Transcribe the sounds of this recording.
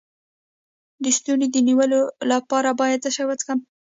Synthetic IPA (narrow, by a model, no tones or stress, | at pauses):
d̪əst̪uned̪əniwəlolapɑɾabɑjad̪̚zəʃajwət͡skəm